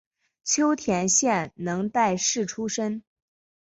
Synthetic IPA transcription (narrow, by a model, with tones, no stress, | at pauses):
t͡ɕʰjo˥ʊt̪ʰjɛ˧˥nɕjɛ˥˩nnɤ˧˥ŋt̪a˥˧ɪʂɻ̩˥˩ʈ͡ʂʰu˥ʂə˥n